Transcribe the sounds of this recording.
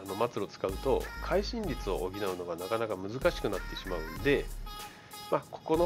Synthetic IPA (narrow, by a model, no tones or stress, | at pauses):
ano̞mat͡sɨɾo̞t͡sɨ̥kaɯ̟t̪o̞̰kʰaiɕĩɲʲɾʲit͡sɨo̞ʔoɡʲinaɯ̟no̞ɡanakanakamɯ̟zɨkaɕi̥kɯ̟nat̪ːe̞ɕimaɯ̟̃nd̪e̞ | makʰo̞̥ko̞no